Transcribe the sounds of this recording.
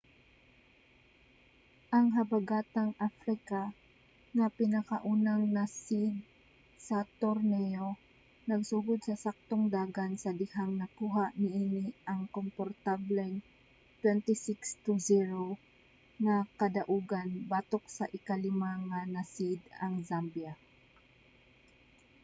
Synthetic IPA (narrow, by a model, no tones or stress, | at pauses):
ʔɐŋɦɐbɐɡaːt̪aŋʔafɾɪka | ŋɐpɪnɐkaʔuːnaŋnasid̪̚ | sɐt̪oɾnɛjo̞ | nɐɡsuːɡʊd̪̚sɐsak̚t̪oŋd̪aːɡansɐd̪ɪhaŋnɐkuːɦaʔnɪʔiːnɪʔɐŋkompoɾt̪ablɛŋ | t̪wɛnt̪ɪsɪkst̪uziɾo | ŋakɐd̪ɐʔuːɡanbaːt̪ok̚sɐʔɪkɐlɪmaŋanasid̪ɐŋzambja